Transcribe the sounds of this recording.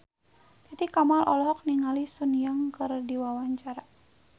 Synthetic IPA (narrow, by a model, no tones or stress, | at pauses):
t̪it̪ikamalʔɔ̰lɔɦɔk̚niŋalisunjaŋkɨrdiwawaɲt͡ʃaɾa